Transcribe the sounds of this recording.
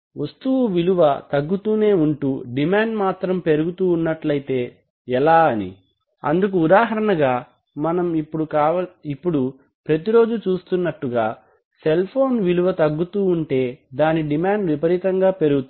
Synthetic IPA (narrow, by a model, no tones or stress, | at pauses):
ʋɐst̪uʋuʋiluʋɐt̪ɐɡːut̪uːne̞ːuɳʈuːɖimaːɳɖmaːt̪ɾɐmpe̞ɾuɡut̪uːnːɐʈlɐjit̪e̞ː | ɛlaːɐnḭ | ɐ̰nd̪uk̬uːd̪aːɦɐɾɐnɐɡaː | mɐnɐmipːuɽukaːʋɐipːuɽu | pɾɐt̪iɾo̞ːd͡ʒut͡ʃuːst̪unːɐʈːuɡaː | se̞lpʰo̞ːnʋiluʋɐt̪ɐɡːut̪uːuɳʈe̞ːd̪aːniɖimaːɳɖʋipɐɾit̪ɐŋɡaːpe̞ɾuɡut̪